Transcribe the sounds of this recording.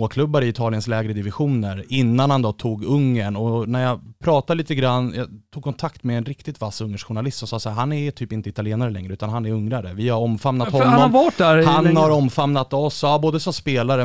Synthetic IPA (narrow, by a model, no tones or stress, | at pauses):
oːkʰlɵbːaɾəɪɪt̪ʰɑːlɪənslɛːɡɾəd̪ɪvɪɧuːnəɾɪnːanhand̪ɔt̪ʰuːɡɵŋːəɳɔnæɾjɑpʰɾɑːt̪aliːt̪əɡɾanːjɑ̰t̪ʰuːɡ̚kʰɔnt̪ʰakt̪mɛɛnɾɪkt̪ɪt̪vasːɵŋːəʂɧʊɳalɪst̪sɔmsɑːsahæːɾɦanɛɾt̪ʰyːpɪnt̪əɪt̪alɪeːnaɾəlɛ̰ŋɾəʉ̟ːt̪anɦanɛɾɵŋɾaɾə̰vɪhaɾɔmfamnat̪hɔnaːɔvɑʈdæɾhanhaɾɔmfamnat̪ɔsːboːd̪əsɔmspeːlaɾə